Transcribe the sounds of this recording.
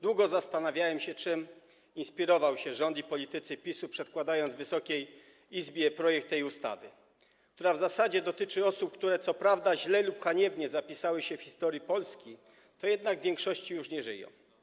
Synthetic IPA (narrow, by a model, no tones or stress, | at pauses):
d̪wuɡɔzast̪anavʲjawɛmɕɛt͡ʂɘm | inspʲiɾɔvawɕɛʐɔnd̪ipɔlʲit̪ɘt̪sɘpʲisupʂɛt̪kwad̪ajɔnd̪zvɘsɔkʲej | izbʲjɛpɾɔjɛkt̪ːɛjust̪a̰vɘ | kt̪uɾavzasad͡ʑɛd̪ɔt̪ɘt͡ʂɘɔsup̚kt̪uɾɛt̪sɔpɾavd̪aʑlɛlupxaɲɛbɲɛzapʲisawɘɕɛfçʲi̥st̪ɔɾjipɔlskʲi | t̪ɔjɛd̪naɡvʲjɛŋkʂɔɕt͡ɕijuʂɲɛʐɘ̰jɔ̰̃w̃